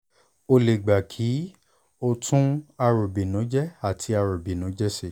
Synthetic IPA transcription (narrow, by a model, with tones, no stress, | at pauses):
o˧le˨ɡ͡ba˨kʰi˨˦ | o˧tũ˦a˧ɾo˨bi˨nɔ̃˨˦d͡ʒɛ˦a˦˨tʰi˧a˧ɾo˨bi˨nɔ̃˨˦d͡ʒɛ˦se˦˨